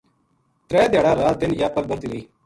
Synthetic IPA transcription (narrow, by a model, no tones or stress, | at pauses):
t̪ɾɛːd̪eːɽãːɾaːd̪ɪnjaːpəlbət̪iɾiː